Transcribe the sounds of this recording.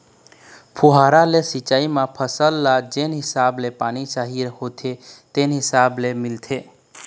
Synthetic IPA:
pʰuɦaɾalesit͡ʃaimapʰəsəlːad͡ʒenɦisablepanit͡ʃaɦiɾhot̪ʰet̪enɦɪsablemilt̪ʰe

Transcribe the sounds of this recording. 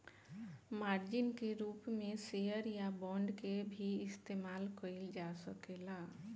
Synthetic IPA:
maːɾd͡ʒɪnkeɾuːpmẽsejəɾjabɔ̃ɳɖkebʱiɪst̪eːmaːlkəild͡ʒasəkela

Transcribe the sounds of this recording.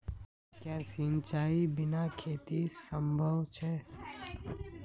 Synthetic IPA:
kjaːsĩnt͡ʃaːibɪnakʰeːt̪isə̃mbʱəʋt͡ʃʰɛ

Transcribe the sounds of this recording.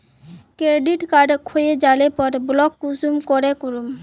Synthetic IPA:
kɾeɖiʈkaɾɖkʰojed͡ʑalepɔɾblɔkːusumkoɾekoɾum

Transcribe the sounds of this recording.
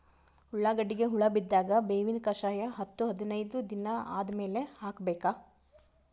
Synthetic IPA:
huɭːaːɡɐɖːiɡe̞ɦuɭɐbid̪ːaːɡɐbeːʋinkɐʃaːjɐɦɐt̪ːuɦɐd̪inɐjd̪ud̪inɐa̰ːd̪ɐme̞ːle̞haːkbeːka

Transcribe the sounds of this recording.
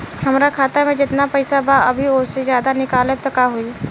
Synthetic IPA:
ɦɐmɾakʰaːt̪amẽd͡ʒɪt̪napɛɪsabaɐbʱiosezjaːd̪anɪkaːlet̪ɐkaɦʊi

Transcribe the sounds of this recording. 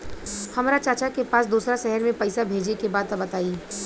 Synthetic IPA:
hɐmaɾat͡ʃaːt͡ʃakepaːsd̪uːsɾaʃɛɦɛɾmẽpɛɪsabʱeːd͡ʒekebaːd̪ɐbɐt̪aːiː

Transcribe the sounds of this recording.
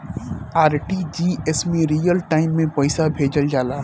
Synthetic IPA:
aːɾʈid͡ʒiːɛsmẽɾiːjəlʈaːɪmːẽpɐɪsabʱeːd͡ʒəld͡ʒaːlaː

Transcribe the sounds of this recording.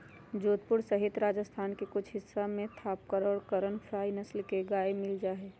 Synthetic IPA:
d͡ʒoːt̪pʊɾsəɦɪt̪ɾaːd͡ʒəst̪ʰaːnkekʊt͡ʃʰɦɪsːamẽt̪ʰaːp̚kəɾɔːɾkəɾənpʰɾaːinəslkeɡaːemɪld͡ʒaːɦeː

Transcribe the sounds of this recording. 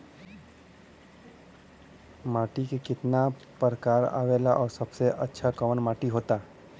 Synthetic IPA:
maːʈikekɪt̪napəɾəkaːɾa̰ːʋeːlaʔɔːɾsɐbseʔɐtːʃʰakəʋənmaːʈiɦoːt̪aː

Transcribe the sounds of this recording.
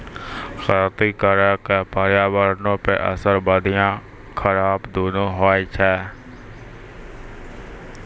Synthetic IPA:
xət̪iːkəɾəkeːpaːɾjaːʋəɾnõːpḛʔə̰səɾbaːd̪ʱijãː | kʰəɾaːbd̪oːnõːɦoːit͡ʃʰɛː

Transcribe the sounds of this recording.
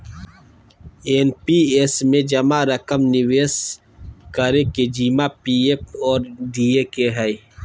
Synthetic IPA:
eːnpiesmẽd͡ʒɐmaɾəkəmnɪweːs | kəɾeked͡ʒiːmapiepɔːɾɖiːekeɦɛi

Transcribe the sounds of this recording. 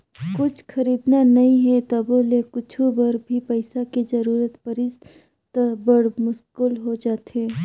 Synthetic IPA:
kʊt͡ʃʰxʰɐɾiːd̪nanɐɦĩɦɛt̪ɐboːlekʊt͡ʃʰubɐɾbʱipɐɪsaked͡ʒɐɾuːɾət̪pɐɾɪs | t̪əbəɽmʊskʊlɦod͡ʒaːt̪eː

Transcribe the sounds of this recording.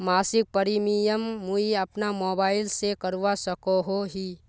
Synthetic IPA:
maːsɪk̚pəɾimijəmːuiəpnamoːbaːɪlsekəɾuʋasəkoɦoɦiː

